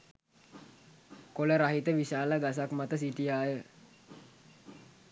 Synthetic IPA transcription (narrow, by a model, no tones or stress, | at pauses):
koləɾaɦit̪əʋisalaɡas̬akəmat̪as̬itiajə